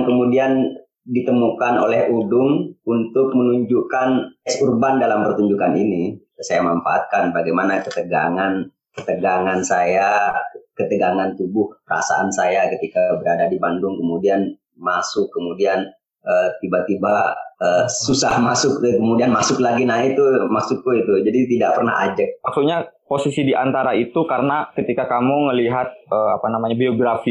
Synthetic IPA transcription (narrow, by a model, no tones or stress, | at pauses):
aŋkəmudian | dit̪əmukanolɛhudʊŋunt̪ʊk̚mənuɲd͡ʒukanɛsurbandalampərt̪uɲd͡ʒukanini | sajamanfa̰a̰t̪̚kanbaɡajmanakət̪əɡaŋan | kət̪əɡaŋansajakət̪əɡaŋant̪ubʊhpəɾa̰sa̰ʔansajakət̪ikabəɾadadibandʊŋkəmudian | masʊkːəmudian | ət̪ibat̪ibaəsusahmasʊk̚kəmudianmasʊklaɡinait̪umasʊk̚ːuit̪ud͡ʒadit̪idaʔ̚pərna̰ɦa̰d͡ʒək̚mak̚suɲaposisidiʔant̪aɾait̪ukaɾənakət̪ikakamuŋəliɦat̪̚əapanamaɲabioɡɾafi